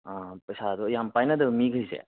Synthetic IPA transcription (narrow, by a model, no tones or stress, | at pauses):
apəjsad̪ɔjampajnad̪ɯmiɡʱəjsḛ